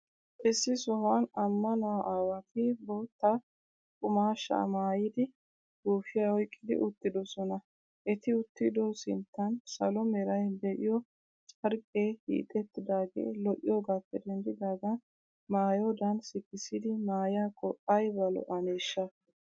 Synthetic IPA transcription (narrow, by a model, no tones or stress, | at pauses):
ʔɪsːɪsɔhanɐmːɐnɐwɐʔaːwɐt̪ɪboːt̪ːɐ | kʼʊmaːʃːa̰maːjɪd̪ɪ | ɡ̥uːfɪjahɔjkʼːɪd̪ɪ̰ʔʊt̪ːɪd̪ɔsɔnɐ | ʔɛt̪ɪʊt̪ːɪd̪osɪ̰nt̪ːɐnsɐlɔmɛɾɐjd̪ɛʔɪjɔ | t͡ʃʼɐɾkʼːeːhḭːt̪ʼːɛt̪ːɪd̪aːɡe̞̰ːlɔʔɪjɔɡaːpːɛd̪ɛnd̪ɪd̪aːd̪ɐ | maːjɔd̪ɐnsɪkːɪsɪd̪ɪmaːjakʼɔʔːɐjbɐlɔ̰ʔɐneːʃːɐ